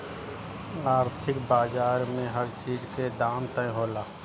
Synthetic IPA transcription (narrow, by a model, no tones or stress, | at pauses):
aːɾt̪ʰɪkbaːzaːɾmẽɦəɾt͡ʃiːzked̪aːnt̪əĩɦoːlaː